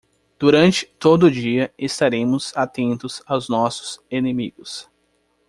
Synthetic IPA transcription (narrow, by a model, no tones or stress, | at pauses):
d̪̥uɾɐ̃nt͡ʃɪ̥t̪od̪ʊʊd͡ʒiɐest̪aɾẽmʊzat̪ẽnt̪ʊzawznɔsʊ̥z̥enemiɡʊs